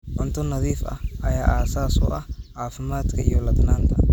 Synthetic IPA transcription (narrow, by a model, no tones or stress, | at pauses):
ʔɔnt̪ʰɔnɐðiːfɐ̰hʔɐjaːʔaːsaːsṵːʔɐhʕaːfɪmaːd̪kʰɐʔijɔlɐd̪naːŋk̪ʰɐ